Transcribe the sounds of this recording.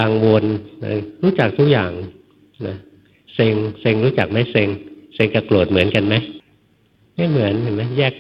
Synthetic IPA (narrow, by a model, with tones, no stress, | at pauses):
aː˧ŋwo˧na̰˧˩ɾuː˦˥t͡ɕa˨˩k̚t̪ʰu˦˥k̚jaː˨˩ŋ | na˦˥˩ | se˧ŋse˧ŋɾuː˦˥t͡ɕa˨˩k̚ma˦˥˩jse˧ŋse˧ŋka˧˩plo˨˩t̪̚mɯ˩˦ənka˧nma˦˥j | ma˥˩jmɯ˩˦əni˨˩ma˦˥jjɛː˥˩k̚